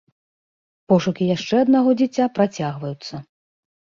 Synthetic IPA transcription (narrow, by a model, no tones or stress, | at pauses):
pɔʂukʲijaʂt͡ʂɛɐd̪naɣɔd͡zʲit͡sʲːapɾat͡sʲaɣvɐjut̪sːɐ